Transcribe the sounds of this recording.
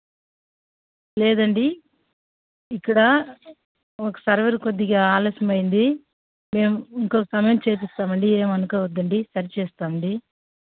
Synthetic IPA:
lɛːd̪ɐɳɖi | ikːɐɽɐ | okɐ̥sɐɾʋɐɾkod̪ːiɡaːaːloːsɐmɐjind̪i | me̞ːmuiŋkoːkɐsɐmɐjɐmt͡ʃe̞ːp̬ist̪aːmɐɳɖieːmɐnukɐːʋɐd̪ːɐɳɖisɐɾit͡ʃeːst̪aːmɐɳɖi

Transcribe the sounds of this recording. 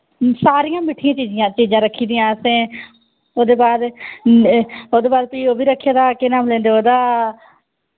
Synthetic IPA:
saːɾɪjãːmeːʈʰɪjãːt͡ʃiːd͡ʒɪjãːt͡ʃiːzãːɾəkʰːiːd̪ɪjãːsẽː | oːd̪eːbaːd̪ | oːd̪eːbaːd̪̚piːoːbiːɾəkʰːjaːd̪aːkenaːmlɛ̃ːnd̪eːoːd̪aː

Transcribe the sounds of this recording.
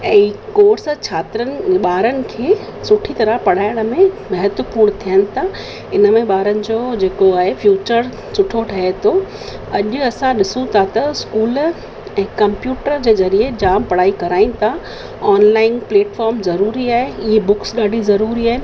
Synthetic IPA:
ɛ̃ːkoːɾst͡ɕʰaːt̪ɾənɪ̆ɓaːɾənɪ̆kʰeː | sʊʈʰit̪ɐɾəpɐɽ̤aːɪɽ̃ə̆mẽmɐɦət̪wəpuːɾɽ̃t̪ʰijənɪ̆t̪ʰa | ɪnəmẽɓaːɾənɪ̆d͡ʑoːd͡ʑeːkoaːɦefjuːt͡ɕəɾ | sʊʈʰoʈʰɐɦet̪ʰo | ɐʄʊɐsãɗɪsũt̪ʰat̪ɐskuːl | ɛ̃ːkɐ̃mpjuːʈəɾd͡ʑeːzɐɾied͡ʑaːmpɐɽ̤aːikɐɾaːĩnɪ̆t̪ʰa | aːnlaːɪnpleːʈfaːɾmzɐɾuːɾiaːɦeɪɦebʊksɠaːɖʱizɐɾuːɾiaːɦɪnɪ̆

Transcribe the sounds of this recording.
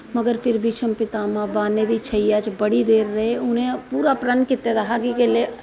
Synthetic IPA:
mɐɡəɾfɪɾbʱit͡ʃʰəmpɪt̪aːmãbaːned̪it͡ʃʰɐjjaːd͡ʒbɐɽid̪eːɾːɐɦeʊnɦẽpuːɾapɾɐnkɪt̪ːed̪ɐɦaɡikele

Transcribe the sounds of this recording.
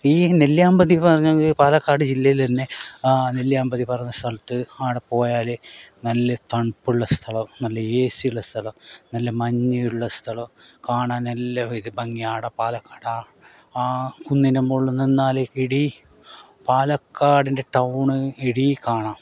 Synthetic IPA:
iːneljaːmbɐðipɐrɐɲːaŋɡipaːlɐkːaːɽɨd͡ʑilːɐjilt̪ɐnːe̞neljaːmbɐðipɐrɐɲunːɐst̪ʰɐlɐt̪ːɨaːɽɨpo̞ːjaːlenɐlːɐt̪ɐɳpuɭːɐst̪ʰɐɭɐmnɐlːɐeːsijuɭːɐst̪ʰɐlɐmnɐlːɐmɐɲːɐjuɭːɐst̪ʰɐɭɐmkaːɳaːnelːɐiðɨbɐŋːijaːɽɐpaːlɐkːaːɽaː | kunːinɐmoɭːuninːaːlekeɽi | paːlɐkːaːɽinde̞ʈɐwɳɨeɽijkaːɳaːm

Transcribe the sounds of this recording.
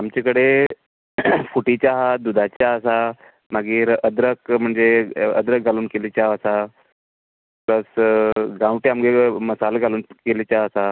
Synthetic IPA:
amt͡ɕekəɽe | fuʈit͡ɕaɦad̪ud̪ʱat͡ɕjaəsa | maɡiːɾəd̪ɾəkm̤əɳd͡zeə̰d̪ɾək̚d͡zʱaluːnkelit͡ɕaɦəsa | pɾəsɡãwʈeamɡeməsalɡʱaluːnkelit͡ɕaəsa

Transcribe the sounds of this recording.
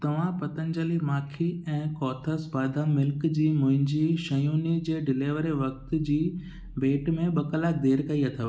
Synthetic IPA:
t̪ɐʋ̤ãpɐt̪ə̃nd͡ʑəlimaːkʰiɛ̃ːkɔːt̪ʰəsbaːd̪ʱamɪlkd͡ʑiːmʊ̃ɦɪ̃ɲd͡ʑiʃɐjuːnid͡ʑeːɖɪleːʋəɾeʋɐk̚t̪̆d͡ʑiː | beːʈmẽɓɐkəlak̚d̪eːɾkɐiɐt̪ʰa

